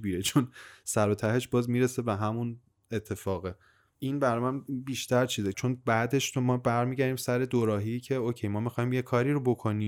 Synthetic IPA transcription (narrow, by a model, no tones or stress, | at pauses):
biɾet͡ʃʰonsæɾot̪ʰæɦeʃbɒːzmiːɾese̞be̞ɦæmun | e̞t̪ʰːe̞fɒːɣe | ʔinbæɾɒmænbiːʃt̪ʰæɾt͡ʃʰiːzet͡ʃʰo̞nbæːd̪e̞ʃɾomɒːbæɾmiːɟæɾiːmsæɾe̞d̪oɾɒːɦicʰe̞oːcʰejmɒːmixɒːjimjekʰɒːɾiːɾobo̞kʰo̞niː